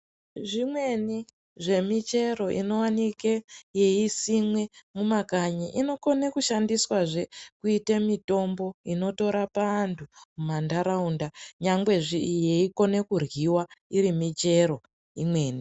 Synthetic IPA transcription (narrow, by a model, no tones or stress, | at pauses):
ʐimwe̞ni | ʐe̞mit͡ʃe̞ɾo̞ʔḭno̞wanikeje̞isimwe̞mumakaɲiʔino̞ko̞ne̞kuʃandiswaʐe̞kuitemito̞mbo̞ino̞to̞ɾapantʰumumandaɾaundaɲaŋɡwe̞ʐijeiko̞ne̞kurɣiwaiɾimit͡ʃe̞ɾo̞ | imwe̞ːni